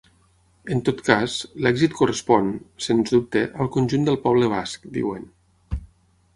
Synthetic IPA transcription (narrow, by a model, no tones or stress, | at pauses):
ənt̪ot̪kaslɛɡzit̪̚kurəspɔnsenzðup̚t̪əʔəlˠkunʲʒund̪əlˠpɔβ̞ləβ̞askd̪ḭwən